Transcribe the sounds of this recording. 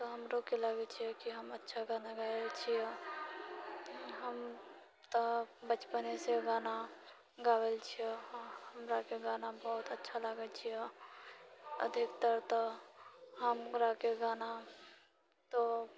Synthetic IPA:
t̪oɦəmɾokelaɡet͡ʃʰiɛkiɦəmətːʃʰaɡaːnaɡaet͡ʃʰiɛ | ɦəm | t̪əbət͡ʃpəneseɡaːna | ɡaːwelt͡ʃʰiehəmɾakeɡaːnabɔɦʊt̪ətːʃʰaləɡet͡ʃʰiɛ | ə̰d̪ʱɪkt̪əɾt̪ə | ɦəmɡɾakeɡaːna | t̪o

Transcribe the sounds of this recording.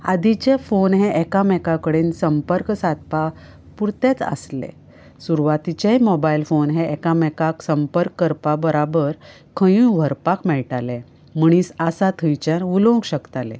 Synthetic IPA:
a̰d̪it͡ɕefonɦɛ̃ʔɛkamɛkakəɽensəmpəɾksat̪̚pa | puɾt̪et͡sə̰slḛ | suɾuʋat̪it͡ɕeɦimɔbailfonɦɛ̃ʔɛkamɛkaksəmpəɾkːəɾpabəɾabəɾ | kʰəjũʋʱəɾpakmɛɭʈalẽ | m̤əɽ̃iːsasat̪ʰəjt͡ɕanulõɡɕəkt̪alḛ

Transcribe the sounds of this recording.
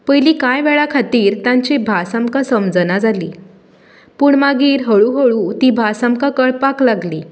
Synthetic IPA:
pəjliːkajʋɛɭakʰat̪iːɾt̪jãɲt͡ɕebʱasamkasəmd͡zənad͡zalḭː | puɳmaɡiːɾɦəɭuːɦəɭut̪iːbʱasamkakəɭpaklaɡliː

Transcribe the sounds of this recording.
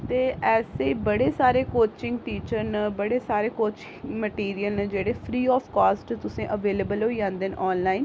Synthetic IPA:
t̪eːʔɛːseːbəɽeːsaːɾeːkoːt͡ʃɪ̃ŋɡʈiːt͡ʃəɾnːbəɽeːsaːɾeːkoːt͡ʃɪŋməʈiːɾijəlnẽːd͡ʒeːɽeːpʰɾiːɔːpʰkaːsʈt̪ʊsẽːʔəʋeːleːbəlɦoːid͡ʒãːnd̪eːnʔɔːnlaːin

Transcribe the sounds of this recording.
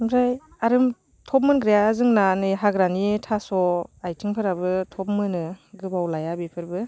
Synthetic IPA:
mɾaj | aɾɯm | tʰɔp̬̚mɯnɡɾijazɯŋnanɯjɦaɡɾanitʰasɔajtʰiŋpʰɯɾabɯtʰɔp̚mɯnɯɡɯbawlajabipʰɯɾbɯ

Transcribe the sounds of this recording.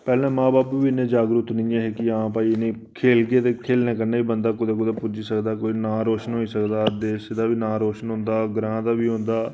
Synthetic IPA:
pɛːlnẽːmãːbaːpːiːɪnːẽːd͡ʒaːɡɾʊt̪nĩjãːɦeːkɪãːpaːiːɪnẽː | kʰeːlɡeːt̪eːkʰeːlnẽːkəɾneːiːbənd̪aːkʊd̪eːk̬ʊd̪eːpʊd͡ʒiːsəkd̪aːkoːiːnãːɾoːʃənɦoːiːsəkd̪aːd̪eːʃd̪aːbiːnãːɾoːʃənɦʊ̃nd̪aːɡɾãːd̪aːbiːɦʊ̃nd̪aː

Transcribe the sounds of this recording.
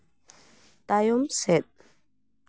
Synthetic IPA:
t̪ajumsɛt̪̚

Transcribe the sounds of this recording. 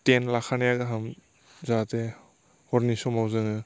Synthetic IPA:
tenlakʰanjaɡɯɦam | zate | hɔɾnisɔmawzɯŋɯ

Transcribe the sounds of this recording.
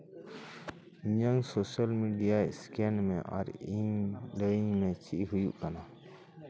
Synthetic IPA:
ɲənsosəlmiɖijaskenmẽʔɔ̰ɾimləimẽt͡ʃʰiɦujṵʔkana

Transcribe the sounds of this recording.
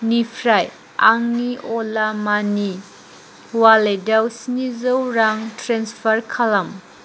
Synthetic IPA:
nipʰɾaj | aŋniʔoɔlamani | waledawsinizowɾaŋtɾanspʰɐɾkʰalɐm

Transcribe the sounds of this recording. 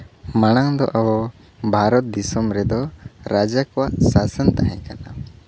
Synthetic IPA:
maɽ̃aŋd̪ɔ̰ʔawɔ | bʱaɾɔt̪̚d̪isɔmɾɛd̪ɔɾad͡ʒakɔwaʔsasənt̪aɦɛ̃kana

